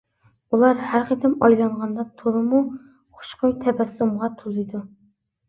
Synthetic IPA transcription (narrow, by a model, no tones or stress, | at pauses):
ulˠɑɾhæɾqʰət̪ʰɪmɑjlˠɑɴʁɑnd̪ɑt̪ʰuɾɨmu | χʊ̥ʃqojt̪ʰɛbɛsumʁɑt̪ʰulˠɨd̪u